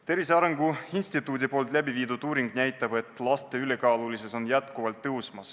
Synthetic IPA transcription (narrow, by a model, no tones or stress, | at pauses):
t̪e̞ɾviseɑɾeŋɡuinst̪it̪ːˑuːd̪ipo̞ːlt̪ˑlæbiviːd̪ud̪uːɾiŋɡ̥næjt̪ːˑɑb̥e̞t̪ːˑlɑst̪e̞yle̞kɑːlulise̞so̞njæt̪kuvɑlt̪ːɤwsmɑs